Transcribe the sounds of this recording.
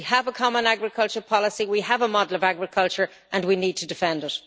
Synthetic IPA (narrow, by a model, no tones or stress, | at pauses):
iəvəkʰɑmə̃naɡɹɪkʰʌlˠt͡ʃə˞pʰɑləsiwiəvəmɑdəl̩ˠəvaɡɹɪkʰʌlˠt͡ʃə˞ | ʔə̃nwinid̚tʰədɪfɛ̃ndɪt